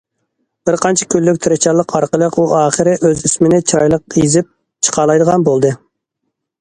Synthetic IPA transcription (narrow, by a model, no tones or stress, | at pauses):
b̥ɪɾqʰɑnt͡ʃʰɛ̥kʲʰylːykʲt̪ʰɪɾɪt͡ʃʰɑlˠəqʰɑɾqəlˠəquʔɑːχəɾɪʔøzismɪnɪt͡ʃʰiɾɑjlˠəqizɪp̚ | t͡ʃʰə̥qʰɑːlˠɑjd̪əʁɑnbolˠd̪ɨ